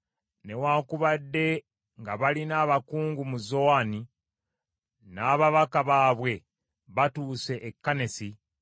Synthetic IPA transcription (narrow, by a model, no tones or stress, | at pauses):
ne̞waːkuβadːe̞ | ŋɡaβalinaːβakuːŋɡumuzo̞ani | naːβaβakaβaːβwe̞ | βatuːse̞ʔːkːane̞si